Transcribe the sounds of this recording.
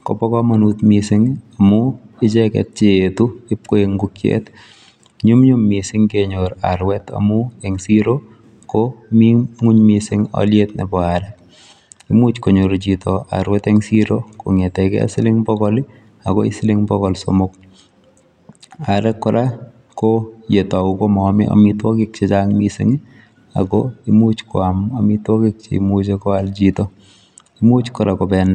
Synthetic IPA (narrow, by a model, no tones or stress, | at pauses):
kɔ̰pɔkɔmanutmisɪŋamuɪt͡ʃɛkɛ̰t̚t͡ʃeetuɪp̚koeŋɡukjḛt | ɲumɲumːisɪŋkeɲoɾa̰ɾwɛta̰muɛŋsiɾo | komiŋuɲmisɪŋɔ̰ljetnḛbɔaɾɛk | imut͡ʃkoɲoɾt͡ʃitɔa̰ɾwɛtɛŋsiɾoko̰ŋetɛkɛ̰a̰sɪlɪŋbɔkɔli | akɔisɪlɪŋbɔkɔlso̰mʊk̚ | aɾɛkːɔɾʔa | kojetaukomɔmɪ̰ʔa̰mitwɔkɪk̚t͡ʃet͡ʃaŋmisɪ̰ŋi | a̰kɔimut͡ʃkɔamamitwɔkik̚t͡ʃḭmut͡ʃekɔald͡ʒitɔ | imut͡ʃkɔɾakɔbɛn